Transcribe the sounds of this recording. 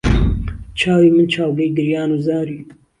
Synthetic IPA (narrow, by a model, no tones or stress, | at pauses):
t͡ʃʰaːwiːmɨnt͡ʃʰaːwɡɐjɡɨɾjaːnuːzaːɾiː